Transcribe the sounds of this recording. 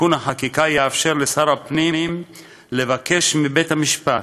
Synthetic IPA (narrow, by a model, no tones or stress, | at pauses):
unhaħakikajeafʃe̞ʁlesaʁapnim | le̞vake̞ʃmibe̞t̪hamiʃpat